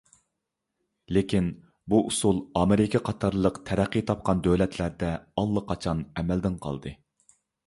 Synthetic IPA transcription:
lekʲʰin | buʔusulˠɑmɪɾɪkʲʰɛqʰɑt̪ʰɑɾlˠəqt̪ʰɛɾæqːijt̪ʰɑp̚qɑnd̪øwlɛt̪ʰlæɾd̪ɛɑlˠːəqʰɑt͡ʃʰɑnɛmɛld̪ɪnqʰɑ̰lˠd̪ɨ

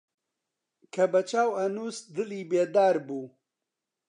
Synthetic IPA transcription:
kʰɐbɐt͡ʃaːwɐnuːsd̪ɨliːbeːd̪aːɾbuː

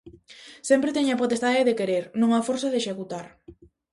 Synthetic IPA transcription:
sempɾet̪eɲapot̪est̪aðɪðekeɾeɾnõŋafoɾsaðeʃekut̪aɾ

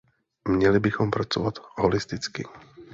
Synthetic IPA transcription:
mɲɛlɪbɪxo̞mpɾat͡sovat̪ɦolɪst̪ɪt͡skɪ

